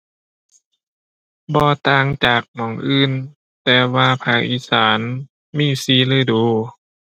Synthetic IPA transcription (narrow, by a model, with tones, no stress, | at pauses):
bɔː˧˦t̪aː˧˩ŋt͡ɕaː˨˩k̚mɔː˨˦ŋʔɯː˧˨n | t̪ɛː˧waː˧pʰaː˧˩kʔiː˧saː˩˦n | miː˧˥˨siː˧˩˨lɯː˧˥˨jduː˨˧˦